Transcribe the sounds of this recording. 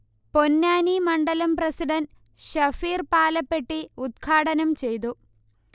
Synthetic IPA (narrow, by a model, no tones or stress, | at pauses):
po̞nːaːnimɐɳɖɐlɐmprɐsiɖɐn | ɕɐfiːrpaːlɐpːe̞ʈːiud̪̚kʰaːɽɐnɐmt͡ɕe̞jt̪̬u